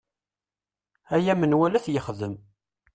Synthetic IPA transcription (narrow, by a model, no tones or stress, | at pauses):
æjæmənwælæθjəχðəm